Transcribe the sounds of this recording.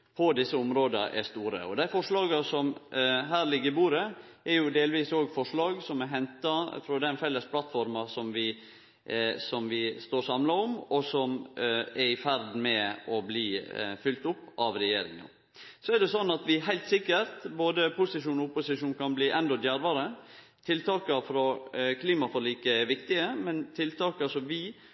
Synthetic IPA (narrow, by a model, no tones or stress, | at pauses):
pʰɔd̪ɪsːəʊmɾoːd̪əʔɛ̰st̪uːɾə̰ɔd̪æɪfɔʂɭɑːɡɑsɔmɦæːɾlɪɡːəɾɪbuːɾə | ɛɾjʊd̪eːlʋiːsoːɡfɔʂɭɑːɡsɔmɛɦɛnt̪ɑfɾɔd̪ɛnfɛlːəspʰlɑt̪fɔɾmɑsɔmʋɪ | sɔmʋɪst̪oːɾsɑmlɑɔmɔsɔmɛɾɪfæɾd̪mɛɔbliːfʏlt̪ʊpːɑʋɾɛjeːɾɪ̰ŋə̰n | sɔɛɖ̪ɛsɔnːɑt̪ʋɪɦæɪlt̪sɪkːəɾt̪boːd̪əpʰʊsɪʂuːnɔʊpʊsɪʂuːnkʰɑnbliːʔɛnd̪ɔd̪jæɾʋɑɾə | t̪ʰɪlt̪ʰɑːkəfɾɔkʰliːmɑfɔɭiːkəɛʋɪkt̪ɪəmɛnt̪ʰɪlt̪ʰɑːkɑʂɔmʋɪ